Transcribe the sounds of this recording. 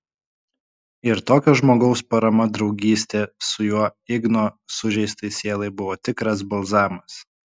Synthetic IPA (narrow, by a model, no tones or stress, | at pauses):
ɪɾt̪oːkʲɛʒmoːɡɒʊspɐɾɐmɐd̪ɾɒʊɡʲiːsʲt̪ʲeːsʊjuɔɪɡnoːsʊʒʲɛɪst̪ɐɪsʲeːlˠɐɪbʊʋoːt̪ʲɪkɾɐs̬bɐlˠzɑːmɐs